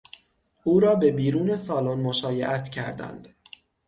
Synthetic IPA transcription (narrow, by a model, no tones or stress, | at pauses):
ʔuːɾɒːbe̞biːɾuːne̞sɒːlonmoʃɒːje̞̰ʔæt̪ʰcʰæ̰ɾd̪æ̰nd̪̥